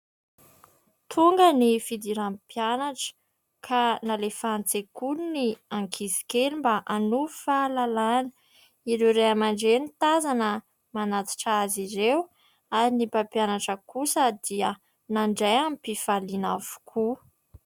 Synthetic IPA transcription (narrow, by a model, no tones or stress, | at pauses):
t̪ʰuŋɡənifid̪iɾampjanaʈ͡ʂə̥ | kʰanalefant͡sekunniaŋkʰizi̥kelimbaʔanufalalanə̥ | iɾeɾeamaɳɖ͡ʐenit̪azanə | manat͡s̪i̥ʈ͡ʂaziɾew | aɾinipapjanaʈ͡ʂəkusəd̪iə | naɳɖ͡ʐajampifalinavu̥kʰu